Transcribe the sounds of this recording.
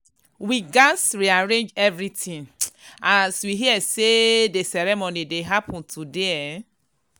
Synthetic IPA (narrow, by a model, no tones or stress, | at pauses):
wiɡasɹiaɹẽnd͡ʒɛvɹitĩŋaswiɦiɛsedesɛɾɛmonideɦapʰɔ̃ntʰudeɛ